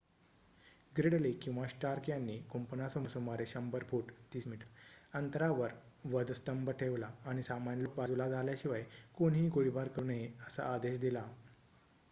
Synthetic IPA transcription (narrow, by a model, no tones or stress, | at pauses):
ɡɾeɽlikĩw̃ʋaɕʈaɾkjanːiːkompənasəmusəmaɾeɕəmbəɾpʰuːʈt̪iːsmiʈəɾənt̪əɾaʋəɾ | ʋəd̪əst̪əmbəʈʰeʋlaːɽ̃isamanlok̚bad͡zulad͡zʱaljaɕiʋajkonɦiːɡoɽibaɾkəɾunɦeəsa̰ːd̪eɕd̪ila